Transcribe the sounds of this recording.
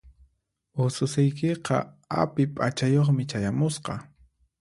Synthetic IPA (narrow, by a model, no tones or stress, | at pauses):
ʊsʊsɪjkɪqɑ̰ | a̰pɪpʼat͡ʃajoχmɪt͡ʃajamʊsqɑ